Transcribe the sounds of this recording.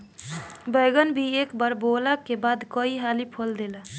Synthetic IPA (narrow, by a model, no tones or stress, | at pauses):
bəɪɡənbʱiekbəɾboləkebad̪kəiɦalipʰold̪ela